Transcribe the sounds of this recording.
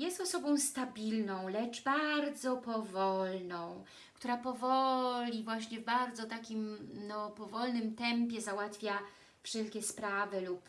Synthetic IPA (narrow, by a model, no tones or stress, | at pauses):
jɛst̪ɔsɔbɔ̃w̃st̪abʲilnɔ̃w̃lɛt͡ʂbaɾd̪zɔpɔvɔlnɔ̃w̃ | kkt̪uɾapɔvɔlʲivwaɕɲɛvbaɾd̪zɔt̪akʲimnɔpɔvɔlnɘmt̪ɛmpʲjɛzawat̪fʲja | fʂɛlkʲɛspɾavɘlup